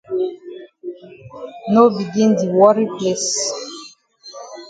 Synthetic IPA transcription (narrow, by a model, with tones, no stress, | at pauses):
no˦bi˨ɡĩ˦ndi˨wɔ˦ɾi˦ples